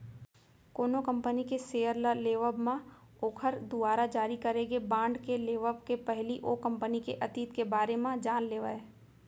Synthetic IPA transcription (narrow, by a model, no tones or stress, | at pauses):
koːnokɐ̃mpənikeseːjəɾlaleːʋəbmã | oːkʰəɾd̪ʊaːɾad͡ʒaːɾikɐɾeɡebãːɳɖkeleːʋəbkepɛɦliʔoːkɐ̃mpənikeʔɐt̪iːt̪kebaːɾemãd͡ʒaːnleːʋa̰ːeː